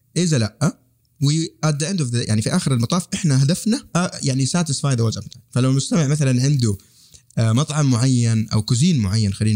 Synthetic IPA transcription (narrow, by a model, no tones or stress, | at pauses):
ʔɪzalaʔːa | wɪʔad̪ːaʕɪnd̪ufja̰ʕnifiʔaːxɪɾalmɑt̪ˤɑːfʔɪħnaɦad̪afnaʔajaʕnisaːt̪ɪsˤfaːjd̪awazafnafalawmʊst̪amɪʕmaθalanʕɪnd̪u | mɑt̪ˤʕɑmːʊʕajːanʔa̰wkʊziːnmʊʕajːanxaliːn